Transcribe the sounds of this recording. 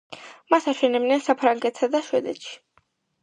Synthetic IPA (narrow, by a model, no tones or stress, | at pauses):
masaʃɛnɛbnɛnsapʰɾaŋɡɛt̪ʰsad̪aʃwɛd̪ɛ̰t̪ʃi̥